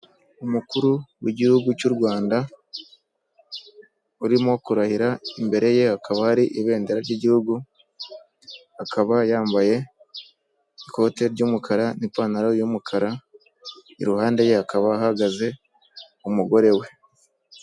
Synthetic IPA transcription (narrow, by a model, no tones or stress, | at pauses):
umukuɾuwiɟihuɡucuɾɡwaːnda | uɾimo̞kuɾahiɾaimbe̞ɾe̞je̞akaβahaɾiʔiβe̞ːndeɾaɾɟiɟihuɡu | akaβajaːmbaje̞ | iko̞te̞ɾɟuːmukʰaɾanipaːnaɾajumukʰaɾa | ḭɾuhaːnde̞je̞akaβaːɦaɡaze̞ | umuɡo̞ɾe̞we̞